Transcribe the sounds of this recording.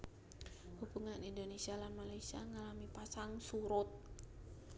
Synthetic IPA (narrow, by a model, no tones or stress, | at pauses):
hubuŋanindonesialanmalajsia̰ŋalamipasaŋsuɾʊt̪̚